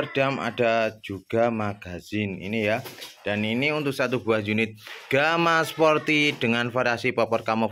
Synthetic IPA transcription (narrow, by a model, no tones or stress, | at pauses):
ərd̥ama̰ɖad͡ʒ̥uɡ̥a̤maɡ̥a̤z̥ɪnḭnijad̥aniniunt̪ʊk̚sat̪ub̥uahjunɪt̪̚ɡ̥amaspɔrt̪iɖ̥əŋanfaɾasipɔpɔrkamɔ